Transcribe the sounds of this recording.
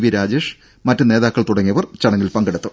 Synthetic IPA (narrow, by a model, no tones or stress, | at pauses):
ʋiɾaːd͡ʑe̞ːʂ | mɐtːɨne̞ːðaːkːɐɭt̪uɽɐŋːijɐʋɐrt͡ɕɐɳɐŋːilpɐŋɡɐɽɐt̪ːɨ